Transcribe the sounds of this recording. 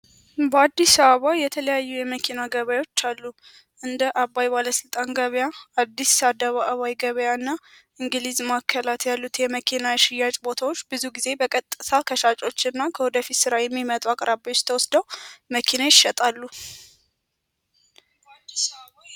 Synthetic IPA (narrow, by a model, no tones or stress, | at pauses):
bəad̪ːisəβəβajɛt̪ʰələjajːujɛməkʰinaɡəβajo̞t͡ʃːalːu | ʔɨnd̪əʔabːajbaləsɨlt̪ʼanɡəβjaad̪ːisad̪əβaʔəβajɡəβəjanːa | ʔɨŋɡɨlizmakʰːəlat̪jalːut̪jɛməkʰinajʃɪjːat͡ʃʼbo̞t̪ʰawot͡ʃːbɨzuɡize̞bəkʼət̪ʼːəsakʰəʃat͡ʃʼo̞t͡ʃːɨnːakʰəwɔd̪əfit̪sɨɾajɛmːimət̪ʼuakʼɾabiot͡ʃːt̪ʰəwɔsd̪əwməkʰinajɪʃɛt̪ʼalːu